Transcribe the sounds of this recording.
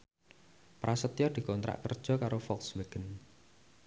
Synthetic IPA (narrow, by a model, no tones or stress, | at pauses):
pɾasət̪ijɔd̪̥i̤kɔnt̪ɾa̰ʔkərd̥ʒ̥ɔ̤kaɾofɔksweɡ̥ən